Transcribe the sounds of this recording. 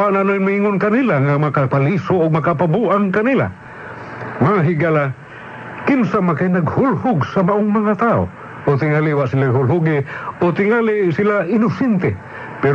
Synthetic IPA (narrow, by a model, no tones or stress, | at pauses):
aʔnanoinmiiŋʊnkanilaŋamakapalisoːɡ̚makapabuʔaŋkanila̰ | maŋaɦiɡala | kɪnsamakajnaɡhʊlhʊɡsamaʔʊŋmaŋat̪ao̰ | ot̪ɪŋaliwaʔsilaɦʊlɦʊɡɪot̪ɪŋalisilaʔɪnʊsɛnt̪ɛ | pɛɾ